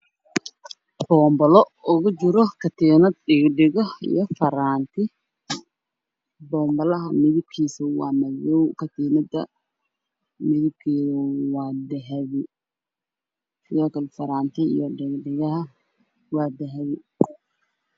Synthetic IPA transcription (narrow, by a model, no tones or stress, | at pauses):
b̥ɔːmbɔlɔʊɣʊt͡ʃɪɾɔkʰɐt̪ʰinɐd̪ɖɪɡɖɪɣɔhḭjɔfɐɾaːnt̪ʰɪ | bɔːmbɐlɐɦɐmɪðɪb̚kʰiːsɐwɑːmɐjɔwkʰɐt̪ʰiːnɐd̪ɐ̰ | mɪðɪb̚kʰɛːðɐwɑːd̪ɛɦɛβɪ | sɪðɔːkʰɐlfɐɾaːnt̪ʰɪḭjɔɖɪɡɖɪɣɐɦɐ | wɑːd̪ɛɦɐβɪ